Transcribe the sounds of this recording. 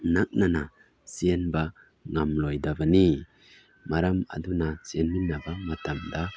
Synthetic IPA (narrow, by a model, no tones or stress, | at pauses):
nak̚nana | sienba | ŋamlɔjdabani | maɾama̰dunasienminːabamatamd̪a